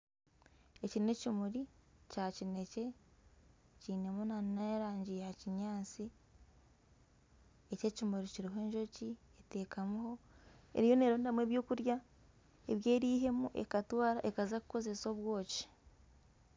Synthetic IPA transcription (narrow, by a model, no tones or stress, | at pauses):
e̞ciɾine̞cimuɾicaːcine̞ce̞ | ciːne̞munanajaɾaːɲɟijehaciɲaːt͡si | ece̞cimuɾiciɾiɦoe̞ːɲʒo̞ci | ete̞ːkamuho̞ḛɾijo̞ne̞ːɾoːndamweβjo̞ːkuɾja | e̞βje̞ːɾiːɦe̞muʔe̞̰katwaːɾaʔe̞kazakuko̞ze̞so̞βwo̞ːci̥